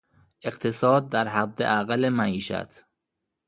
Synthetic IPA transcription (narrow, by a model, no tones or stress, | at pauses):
ʔe̞qt̪ʰesɒːd̪̚ːæɾɦæd̪ːḛʔæɣælemæʔiːʃæ̰t̪ʰ